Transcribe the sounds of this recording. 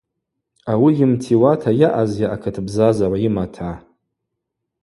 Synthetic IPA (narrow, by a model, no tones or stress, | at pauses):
awijɪmtʰiwatʰajaʔazjaʔakʰɨtʰbzazaraimatʰa